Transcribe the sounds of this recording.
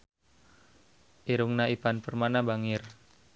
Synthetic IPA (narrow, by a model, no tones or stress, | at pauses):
ʔiɾuŋnaipanpərmanabaŋɪr